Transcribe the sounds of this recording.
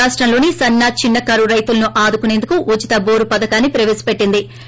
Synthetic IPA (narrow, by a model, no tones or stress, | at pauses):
aːʂʈɾɐmlo̞ːnisɐnːaːt͡ʃinːɐkaːɾuɾɐjt̪ulɐnuʔaːd̪ukunend̪ukuʔut͡ʃit̪ɐboːɾupɐd̪ɐkaːnːipɾɐʋeːsɐ̥peʈːind̪i